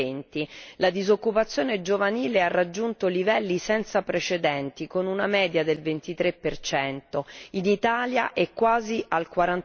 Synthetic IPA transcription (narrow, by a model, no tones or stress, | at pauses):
ent̪ilad̪izokːupat̪sːjoːned͡ʒovaniːlearːad͡ʒːunt̪olivɛlːisɛnt̪sapɾet͡ʃed̪ɛnt̪ikonunamɛːd̪jad̪elvent̪it̪ɾepːert͡ʃɛnt̪oinit̪aːljaʔɛkːwaːziʔalkwaɾan